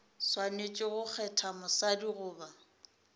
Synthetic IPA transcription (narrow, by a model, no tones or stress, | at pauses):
swanet͡ʃʼɪɣʊk͡xʰɛtʰamʊsadiɣʊːba